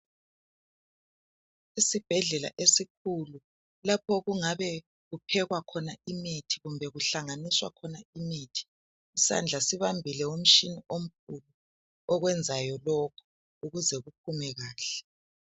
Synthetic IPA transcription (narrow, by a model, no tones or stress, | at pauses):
isib̥ʱɛɮɛla̰ʔesikʰulu | lap̚ʰɔɣuŋaβɛ | ɣupʰɛɣwakʰɔnaimetʰiɣumbʱɛɣuɬaŋaniswa̰kʰɔnaimetʰi̥ː | sa̰nd͡ɮʱasiβambʱilɛwom̩ʃiniʔom̩k̚ʰulu | ɔɣwɛnd͡zʱajɔlɔkʰu̥ | uɣuzɛɣup̚ʰumɛɣaːɬɛ̥